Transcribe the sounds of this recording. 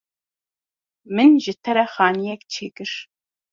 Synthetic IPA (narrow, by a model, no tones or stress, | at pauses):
mɨnʒɨt̪ʰɛɾɛxɑːnijɛkt͡ʃʰeːkɨɾ